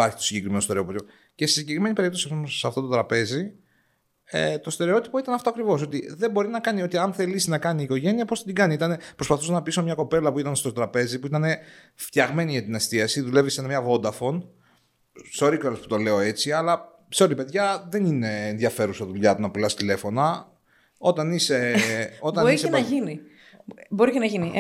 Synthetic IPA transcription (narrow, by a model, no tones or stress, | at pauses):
ɐɾçi̥t̪osiɲɟe̞kɾimenost̪eopt̪ipo | ce̞sesiɲɟekɾime̞nipe̞ɾipt̪o̞siɐspoosɐft̪o̞t̪t̪ɾɐpe̞zi | ḛt̪o̞st̪e̞ɾeo̞t̪i̥po̞it̪ɐnɐft̪oɐkɾivo̞s̬o̞t̪iðe̞mbo̞ɾinɐkɐnio̞t̪iɐnθe̞lisinɐkɐniːko̞ʝe̞niɐposɐd̪iɡɐniit̪ɐnepɾo̞spɐθusnɐpisomɲɐko̞pe̞lɐpuit̪ɐnst̪o̞t̪ɾɐpe̞zipuit̪ɐne̞ | ft̪çɐɣme̞niʝɐt̪inest̪iɐsiðule̞visenɐmɲɐvo̞nd̪ɐfo̞n | seoɾikoɾɐsput̪o̞le̞oe̞t͡siɐlɐ | seo̞ɾipe̞ðʝɐðe̞nine̞ːnðʝɐfe̞ɾusɐðuʎɐt̪unɐpilɐst̪ile̞fo̞nɐ | o̞t̪ɐniseo̞t̪ɐniseɐʝini | bo̞ɾicenɐʝini